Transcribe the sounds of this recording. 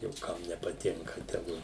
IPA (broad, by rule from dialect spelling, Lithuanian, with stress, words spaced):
jɛʊ ˈkɐm nʲɛpɐˈtʲɪŋkɐ tʲɛˈɡʊ